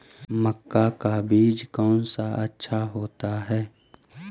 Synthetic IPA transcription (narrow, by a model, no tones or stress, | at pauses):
məkːakabiːd͡ʒkɔːnsaʔɐtːʃʰaɦoːt̪aɦɛː